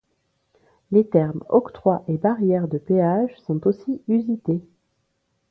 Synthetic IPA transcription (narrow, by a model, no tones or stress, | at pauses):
let̪ɛʁmɔkt̪χwaʔebaʁjɛʁd̪əpeaʒsɔ̃t̪osiyzit̪e